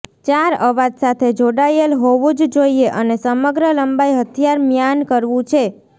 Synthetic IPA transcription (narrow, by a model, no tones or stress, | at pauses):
t͡ʃaɾəʋad͡ʒ̪sat̪ʰed͡ʒoɽajəlɦoʋũd͡ʒd͡ʒoieʔənesəməɡɾələmbaiɦət̪ʰjaɾmjankəɾʋũt͡ʃʰe